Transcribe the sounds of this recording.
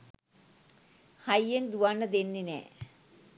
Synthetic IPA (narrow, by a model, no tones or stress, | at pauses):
hajːend̪uʋanːəd̪enːenɛ̰ː